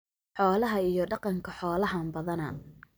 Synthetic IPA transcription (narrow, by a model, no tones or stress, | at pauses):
ħɔːlɐɦɐijɞɖɑqɑŋkʰɐħɔːlɐɦɐnbɐðɐnɐ̰